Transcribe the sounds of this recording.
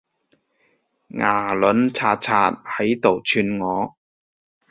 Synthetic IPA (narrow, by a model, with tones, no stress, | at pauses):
ŋʔaː˨˩lɵ˨˧˥nt͡sʰaː˧t̚t͡sʰaː˧t̚hɐ˨˥jt̪o˨˩wt͡ʃʰyː˧nŋɔː˨˧